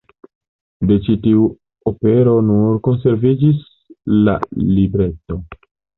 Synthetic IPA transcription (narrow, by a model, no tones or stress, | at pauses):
de̞t͡ʃitiu | ope̞ɾo̞nuɾko̞nse̞ɾvid͡ʒis | la̰libɾe̞to̞